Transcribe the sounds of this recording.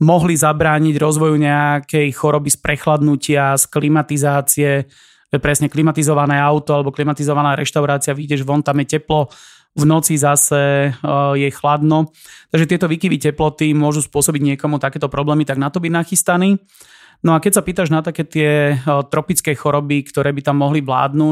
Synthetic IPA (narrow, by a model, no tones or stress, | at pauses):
mɔɦlizabɾaːɲiɟɾɔzʋɔjuɲɛakɛjxɔɾɔbispɾʔɛxlad̪nucɪasklimat̪izaːt͡siɛ | ɛpɾɛsɲɛklimat̪izɔʋanɛːaʊt̪ɔalɛbɔklimat̪izɔʋanaːɾɛʃt̪aʊɾaːt͡siaʋiɟɛʒʋɔnt̪amjɛcɛplɔ | vnɔt͡sizasɛ | jɛxlad̪nɔ | t̪aɡʒɛt̪ɪɛt̪ɔʋiːkiʋicɛplɔt̪imʊɔʒuspʊɔsɔbiɟɲɪɛkɔmut̪akɛːt̪ɔpɾɔblɛːmit̪aɡnat̪ɔbinaxist̪aniː | nɔakɛcsapiːt̪aʒnat̪akɛːt̪ɪɛt̪ɾɔpit͡skɛxɔɾɔbikt̪ɔɾɛːbit̪amːɔɦliʋla̰ːd̪nu